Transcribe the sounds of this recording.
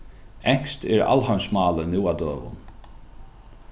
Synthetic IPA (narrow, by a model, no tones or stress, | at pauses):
ɛɲ̥st̪ɛɾa̰lɦɔnsmɑːlənɪːwad̪øːʋʊ̰n